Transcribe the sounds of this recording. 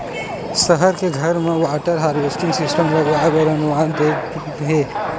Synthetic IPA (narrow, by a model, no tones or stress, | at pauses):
sɐɦəɾkeɡʱɐɾmẽʋaːʈəɾɦaːɾʋesʈɪ̃ŋɡsɪsʈəmlɐɡɾaːebɐɾɐnuʋaːnd̪eː | ɦeː